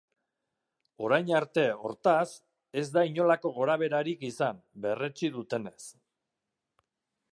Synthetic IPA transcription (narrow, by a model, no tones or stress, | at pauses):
o̞ɾajɲaɾt̪e̞o̞̰ɾt̪as | e̞zd̪aiɲo̞lako̞ɣ̞o̞ɾaβ̞e̞ɾaɾikisambe̞re̞t͡ʃiðut̪e̞ne̞s